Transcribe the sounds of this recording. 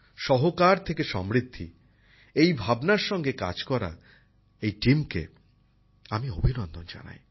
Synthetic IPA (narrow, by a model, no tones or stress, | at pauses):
ʃɔɦokaɾt̪ʰekeʃɔmɾid̪ʱːi | ejbʱabnaɾʃɔŋɡeka̰d͡ʑkɔɾa̰ | ejʈimkḛ | amiobʱinond̪ond͡ʑa̰na̰j